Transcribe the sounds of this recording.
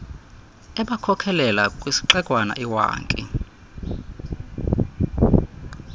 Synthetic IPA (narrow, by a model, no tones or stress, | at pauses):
ɛɓakʰɔkʰɛlɛlakʼwisi̥ǃɛkʼwana̰ʔiwa̰ːŋkʼḭ